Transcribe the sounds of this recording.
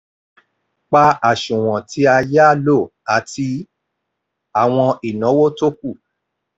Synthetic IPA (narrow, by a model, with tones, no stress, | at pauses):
k͡pa˧a˨ʃũ˨w̃ɔ̃˨tʰi˧˦a˧ja˦˨lo˦˨a˨ti˧ | a˨w̃ɔ̃˧i˨nɔ̃˨˦wo˦to˦ku˦˨